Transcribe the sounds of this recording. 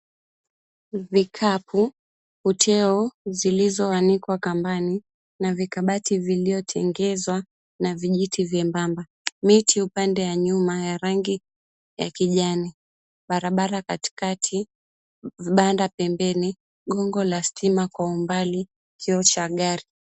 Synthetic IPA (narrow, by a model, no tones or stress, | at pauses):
vikʰapʰu | hutʰɛɔzilizɔwanikwakambani | navikaɓativiliɔtʰɛŋɡɛzwa | naviʄitʰivjɛmbamba | mitʰiupandɛwaɲumajaɾaŋɡi | ja̰kiʄani | ɓaɾaɓaɾakati̥katʰi | ɓandapɛmbɛni | ɠɔŋɡɔlastʰimakwaumbali | kʰiɔt͡ʃaɠaɾi